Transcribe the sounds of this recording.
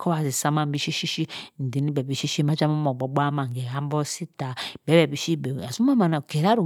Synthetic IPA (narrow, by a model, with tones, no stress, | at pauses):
kʰɔ˦βa˨zi˨sa˦ma˦m˦bi˦ʃi˦ʃi˦ʃi˦n̩˨di˨˦ni˦bɛ˨bi˨ʃi˦ʃi˦ma˦d͡ʒa˦mu˦mɔ˨ɡ͡bɔ˨bʷa˦ma˨ŋ˨ɡɛ˨ha˦m˦bɔ˦si˦ta˨bɛ˦bɛ˨bi˨ʃi˦bɛ˨a˨zu˦ma˦ma˨na˨kɛ˨ɾa˦ɾu˨